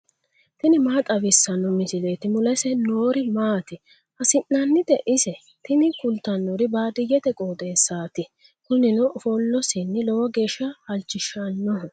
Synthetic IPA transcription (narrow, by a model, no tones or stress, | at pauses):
t̪ɪnɪmaːt̪ʼɐbɪsːɐnɔmɪsɪle̞ːt̪ɪmʊlɛsɛnoːɾɪmaːt̪ɪ | hɐsɪnːɐnːɪd̪ɛʔɪsɛ | t̪ɪnɪkʊlt̪ːɐnːɔɾɪbaːd̪ɪjːɛt̪ɛkʼoːt̪ʼe̞ːsːaːt̪ɪ | kʊnɪnɔʔfɔlːɔsɪnːɪlɔwɐɡe̞ːʃːɐhɐlt͡ʃːɪʃɐnːɔɦ